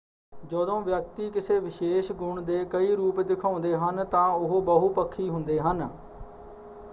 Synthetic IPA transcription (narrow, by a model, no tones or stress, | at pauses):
d͡ʒəd̪õːʋjək̚t̪iːkɪseːʋɪʃeːʃɡʊɳd̪eːkəiːɾuːpd̪ɪkʰaːʊ̃nd̪eːɦənt̪ãːʊɦoːbəɦupəkʰːiːɦʊ̃nd̪eːɦən